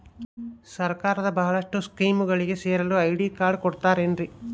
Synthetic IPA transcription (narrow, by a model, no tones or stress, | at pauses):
sɐɾkaːɾɐd̪ɐbɐɦɐɭɐʂʈuskiːmuɡɐɭiɡe̞seːɾɐluɐjɖiːkaːɾɖkoɽt̪aːɾeɳɾi